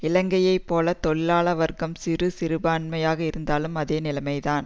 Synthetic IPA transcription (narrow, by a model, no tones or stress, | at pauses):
ɪlɐŋɡɐjɐɪpːoːlɐt̪ɔɭɪlaːlɐʋɐɾɣɐmsɪrɯsɪɾɯbaːɳmɐjaːɣɐɪɾɯnd̪aːlɯmɐðeːnɪlɐmɐɪðaːn